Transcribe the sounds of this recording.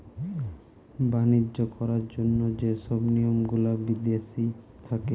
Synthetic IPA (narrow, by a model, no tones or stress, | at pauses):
banid͡ʑokɔɾaɾd͡ʑonːod͡ʑeʃɔbniomɡulabid̪jeʃi | t̪ʰake